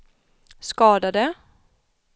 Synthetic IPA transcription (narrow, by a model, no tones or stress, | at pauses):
skɑːd̪ad̪ə